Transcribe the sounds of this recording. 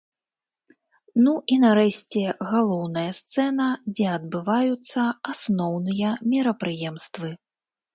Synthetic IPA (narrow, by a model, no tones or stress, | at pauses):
nuʔinaɾɛɕʲt͡sʲɛɣalˠɔwnɐjɐst̪sɛnɐd͡zʲɛɐd̪̚bɨvajut̪sːɐasnɔwnɨjɐmʲiɾɐpɾɨjɛmst̪vɨ